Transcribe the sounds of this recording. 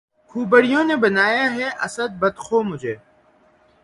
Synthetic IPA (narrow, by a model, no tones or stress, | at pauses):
kʰuːbɐɽijõːnebɐnaːjaɦɛʔɐsɐd̪̚bɐd̪xʰoːmʊd͡ʑʱeː